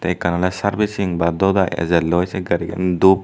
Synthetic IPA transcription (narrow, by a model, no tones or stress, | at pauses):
t̪ɛjkanalasaɾbisiŋbad̪ɔd̪ajɛ̰zɛlɔjsɛɡaɾiɡɛ̰nd̪up̚